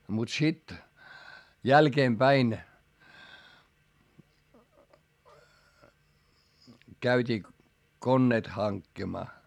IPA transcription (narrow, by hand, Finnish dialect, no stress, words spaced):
mut sit jælkeːmpæin kæytʲiː konːeːt hɑŋkːimɑː